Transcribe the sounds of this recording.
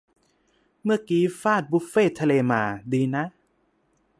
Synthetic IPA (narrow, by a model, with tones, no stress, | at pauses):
mɯ˥˩əkiː˨˦faː˥˩t̪̚bu˦˥feː˥˩t̪ʰa˧leː˧maː˧˩diː˧na˦˥